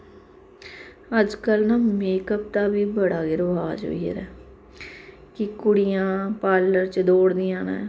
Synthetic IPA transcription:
əd͡ʒkəlnaːmeːkəp̚t̪aːbiːbəɽaːɡeɾoːaːd͡ʒɦo̰ːiːə̰ɾɛː | kɪkʊɽɪjãːpaːləɾt͡ʃəd̪oːɽd̪ijãːnã̰ː

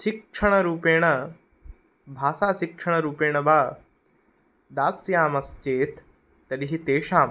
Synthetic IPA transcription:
ʃikʂʰɐɽ̃ɐɾuːpeːɽ̃ɐ | bʱaːsaːʃɪkʂʰɐɽ̃ɐɾuːpeːɽ̃ɐbaː | d̪aːsjaːmɐst͡ʃeːt̪ː | ɐɗiɦit̪eːʃaːm

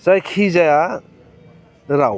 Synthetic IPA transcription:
zajkʰizaja | nɾa

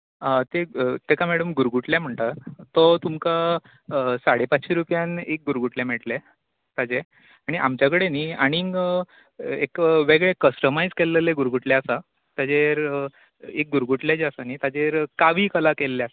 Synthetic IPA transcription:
ət̪et̪ekamɛɽəmɡuɾɡuʈljam̤əɳt̪at̪ɔt̪umka | saɽepatɕiɾupjanek̚ɡuɾɡuʈljameʈle | t̪ad͡ʑe | aɽ̃iʔa̰mt͡ɕjakəɽeniːaɽ̃iŋɡ | ekʋeɡɭekəsʈəmajd͡zkelːeleɡuɾɡʱuʈljeasa | t̪ad͡ʑeɾ | ek̚ɡuɾɡuʈljad͡ʑeasaniːt̪ad͡ʑeɾkaʋiːkəlakelːeasa

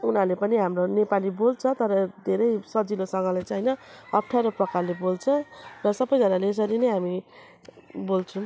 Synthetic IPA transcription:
unɦalepʌniɦamronepalibolt͡sʰʌt̪ʌɾʌd̪ʱeɾʌjsʌd͡zilosʌŋɡʌlajt͡sajnʌʌpʈʰaɾʌprʌkarlebolt͡sʰʌrʌsʌbːʌjd͡zʌnalees̬ʌɾinʌjɦami | bolt͡sʰũ

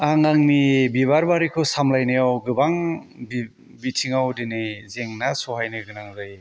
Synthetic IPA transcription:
aŋaŋnibiβaɾbaɾikʰɔsamlajnɯjawɡɯbaŋbi | bitʰiŋawdinɯjzeŋnasɔɦajnɯɡɯnaŋzaj

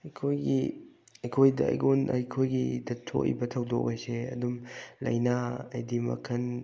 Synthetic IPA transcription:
ɐjkʰojɡḭ | ɐjkʰojdɐ̰ɐ̰jɡonɐ̰jkʰojɡidɐtʰo̰ʔḭbɐtʰɐwdo̰kajseɐ̰dumlɐ̰jnaɐ̰jdimɐ̰kʰɐn

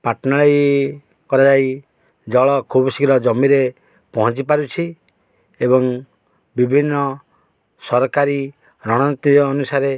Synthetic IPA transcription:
paɾʈnaɭaj | kɔɾad͡ʒaj | d͡ʒɔɭɔkʰubɔsikɾɔd͡ʒɔmiɾe | pɔɦɔ̃nt͡ʃipaɾut͡ʃʰi | ebɔŋ | bibʱinːɔ | sɔɾɔkaɾi | ɾɔɽ̃ɔnit̪iːnusaɾe

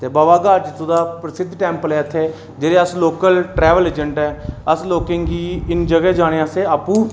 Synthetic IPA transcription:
t̪eːbaːʋaːɡaːd͡ʒt̪ud̪aːpɾəsɪd̪ʱʈɛːmpəlɛːət̪ʰːeː | d͡ʒeːɾeːəsloːkəlʈɾɛːʋəleːd͡ʒəɳʈɛːəsloːkẽːŋɡiːɪnd͡ʒəɡɛːd͡ʒaːɽ̃eːaseːaːpũː

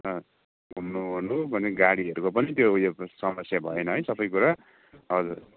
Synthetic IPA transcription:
nʌ | ɡʱumnunubʱʌneɡaɽiʌɾukopʌnit̪joujosʌmʌsjabʱʌenʌɦʌjsʌpʌjkuɾa | ʌd͡zur

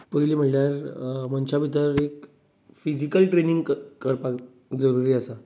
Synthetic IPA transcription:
pəliːm̤əʈljaɾməɳt͡ɕabʱit̪əɾek | fid͡ʑikəlʈɾeniŋɡkəɾpak | d͡zəɾuɾiːəsa

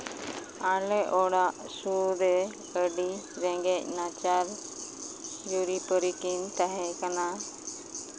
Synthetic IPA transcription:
alɛʔɔɽaʔ | sud̪ɛ | əɖiɾɛŋɡɛc̚nat͡ʃaɾ | d͡ʒuɾipəɾikint̪aɦɛkana

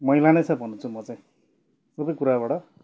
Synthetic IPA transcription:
mʌjlanʌjt͡sʰʌbʱʌnʌt͡sʰumʌt͡saĩ | sʌbʌjkuɾabaɽʌ

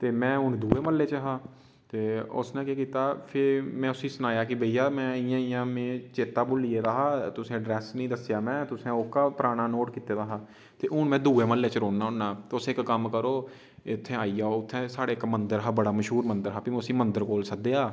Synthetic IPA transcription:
t̪eːmɛ̃ːʊnd̪uːeːməlːeːt͡ʃɦaː | t̪eːʊ̰snẽːkeːkiːt̪aːpʰɪɾmɛ̃ːʊsĩːsʊnaːjaːkɪbəijaːmɛ̃ːɪjãːɪjãːmẽːt͡ʃeːt̪aːbʊlːiːeːd̪aːɦaːt̪ʊsẽːɖɾɛːsnĩːd̪əsjaːmɛ̃ːt̪ʊsẽːokːaːpəɾaːɽ̃aːnoːʈkiːt̪eːd̪aːɦaː | t̪eːʔʊɳmɛ̃ːd̪uːeːməlːeːt͡ʃəɾoːnːaːʊnːaːt̪eʊsẽːɪkːəmkəɾoː | ɪt̪ʰːẽːaːiːjaːoʊt̪ʰːẽːsaːɽeːkmənd̪əɾɦaːbəɽaːməʃɦuːɾmənd̪əɾɦaːpiːmʊsĩːmənd̪əɾkoːlsək̚d̪eːaː

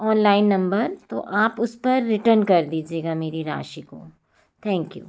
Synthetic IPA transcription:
ɔːnlaːɪnːɐ̃mbəɾt̪o̰ʔaːpʊspɐɾːɪʈəɾnkɐɾd̪iːd͡ʒieːɡameːɾiɾa̰ːʃiko̰ː | t̪ʰɛ̃ːŋkjṵː

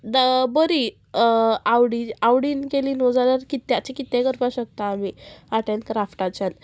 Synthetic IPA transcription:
d̪əbəɾi | awɽiawɽiːnkeliːnɔd͡zalaɾkit̪ːjat͡ɕikit̪ːẽɡəɾpaɕək̚t̪aːmiaʈẽnd̪kɾafʈat͡ɕan

